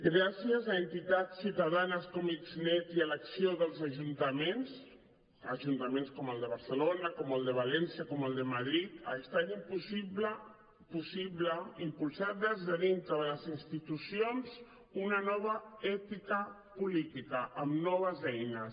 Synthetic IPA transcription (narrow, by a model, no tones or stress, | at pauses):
ɡɾasiəzaənt̪it̪at̪siuwt̪aðanəskɔmikznɛt̪iələksioðəlˠzaʒunt̪əmens | ə̰ʒunt̪əmenskɔməlˠd̪əβəɾsəlonəkɔməlˠd̪əβalɛnsiəkɔməlˠd̪əmaðɾit̪ə̰est̪animpusiβlə | pusiβləimpulˠsaðəzðəðint̪ɾəðələzinst̪it̪usionz | unənɔβ̞əɛt̪ikə | pulit̪ikəʔːmnɔβ̞əzɛjnə